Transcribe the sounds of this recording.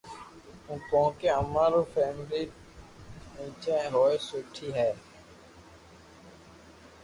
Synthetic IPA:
ũːkõːkeəmãːɾoːfʰɛːmliː | nĩːt͡ʃẽɦoːesʊːʈʰiːɦɛː

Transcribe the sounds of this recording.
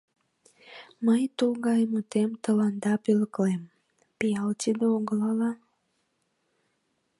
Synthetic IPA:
məjt̪ulɡɑjmut̪emt̪əlɑnd̪ɑpeləklem | pijɑlt̪id̪eoɡəlɑlɑ

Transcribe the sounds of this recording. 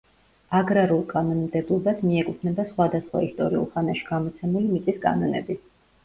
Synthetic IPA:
aɡɾaɾulˠkʼanɔnmd̪ɛblˠɔbasmiɛkʼupʰnɛbasχwad̪asχwa̰ist̪ʼɔɾiṵlˠχanaʃi̥ɡ̥amɔt̪sʰɛmulimit̪sʼiskʼa̰nɔnɛ̰bi

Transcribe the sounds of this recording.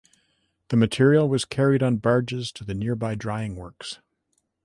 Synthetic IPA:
ðɨmɨtʰɪɹil̩ˠwʌz̥kʰɛɹiɾn̩bɑɹd͡ʒɨz̥tʰɨðɨnɪɹbaɪdɹaɪɪ̃ŋwɜ˞ks

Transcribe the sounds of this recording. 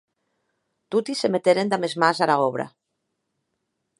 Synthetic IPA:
t̪ut̪isemet̪eɾend̪amezmazalaoβɾa̰

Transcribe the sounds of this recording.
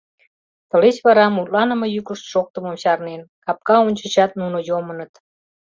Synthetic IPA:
t̪ə̆let͡ɕβɑɾɑmulɑnə̆mɤjykəʃt̪ʃok̚t̪əməmɕɑrnenkɑp̚kɑonʲt͡ɕə̆t͡ɕɑt̪nunojomənət̪

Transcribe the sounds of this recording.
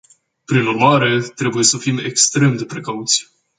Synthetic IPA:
pɾinurmaɾe̞t̪ɾe̞buje̞səfime̞kst̪ɾe̞md̪e̞pɾe̞kaut̪sʲ

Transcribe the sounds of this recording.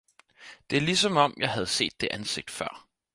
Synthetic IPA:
d̥e̝æɐlisɒ̽mɒ̽mjɑ̈ɪɦæð̞̩ˠse̝̰ːd̥ːe̝ʔænse̝ɡ̥̚d̥fɶɐ̰

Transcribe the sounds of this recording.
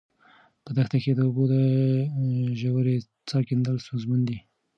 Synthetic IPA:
pəd̪axt̪aked̪əʊbod̪ə | ʒawəɾe | t͡sɑɾkɪnd̪əlst̪ozmand̪i

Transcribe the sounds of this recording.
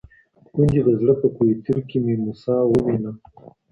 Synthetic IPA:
kund͡ʒid̪əzɽəpəkuit̪ʰiɾkimimusɑːwəwina

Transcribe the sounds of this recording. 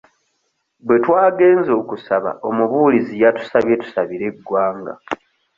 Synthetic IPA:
bwe̞twaːɡe̞ːnzo̞ːkusaβa̰ʔo̞muβuːlizijatu̥saβjetu̥saβiɾe̞ɡːwaːŋɡa̰

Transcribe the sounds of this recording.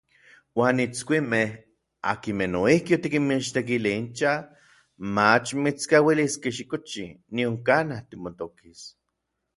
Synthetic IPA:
waːnit͡skʷimeh | a̰kimenoihkiot̪ikinmiʃt̪ek̬iliint͡ʃa | mat͡ʃmit͡skawiliskeʃ̬ikot͡ʃinioŋkanaht̪imot̪okis

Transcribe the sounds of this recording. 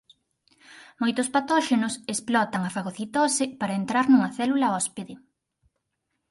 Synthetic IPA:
mojt̪ʊspat̪ɔʃenʊsesplɔt̪ɐŋɐfaɣoθit̪ɔsɪpaɾɐent̪ɾaɾnuŋɐθɛlulɐɔspeðɪ

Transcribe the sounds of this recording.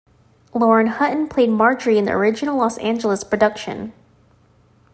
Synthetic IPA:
lɔɹɨ̃nhʌʔn̩pʰl̥eɪd̚mɑɹd͡ʒə˞iɨ̃nðḭʔə̰˞ɪd͡ʒɨnl̩ˠlɔsæ̃nd͡ʒl̩ˠəspʰɹ̥ɨdʌkʃɨ̰̃n

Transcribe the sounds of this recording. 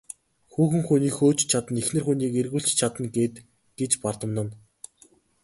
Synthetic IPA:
xuːxɘ̆ŋxuniːkxoːt͡ɕt͡ɕʰat̪ə̆nexnɘ̆rxuniːkerɣuːɬt͡ɕt͡ɕʰat̪ə̆nɡeːt̪ | ɡ̥et͡ɕpart̪ə̆mnə̆n

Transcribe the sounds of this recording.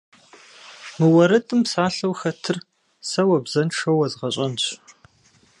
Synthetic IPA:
mɨwɐɾɨtʰʼɨmsaːɬɐwxɐtʰɨr | sɐwɐbzɐnʈ͡ʂʰɐwɐzʁɐɕʼɐnɕʷ

